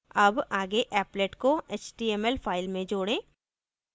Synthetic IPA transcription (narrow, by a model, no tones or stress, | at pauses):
ɐbaːɡeʔɛːpleːʈkoeːt͡ʃʈiːeːmɛlpʰaːɪlmẽd͡ʒoːɽẽː